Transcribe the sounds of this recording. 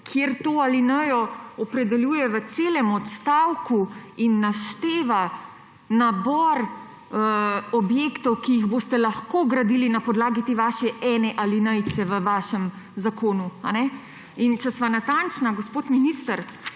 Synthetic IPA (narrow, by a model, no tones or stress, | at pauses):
kʰjeɾt̪oːalinəjɔɔpɾɛd̪ɛljuːjɛʋət̪seːlɛmɔt̪st̪awkuinːaʃt̪eːʋa | nabɔɾ | əɔbjekt̪ɔwkijiɣboːst̪ɛlaxkoːɡɾad̪iːlinapɔd̪laːɡit̪eːʋaʃɛʔɛːnɛʔalinəjt̪t͡s̪ɛʋəʋaːʃɛm | zakoːnuanɛ | int͡ʃɛsʋanat̪ant͡ʃnaɡospoːt̪minist̪əɾ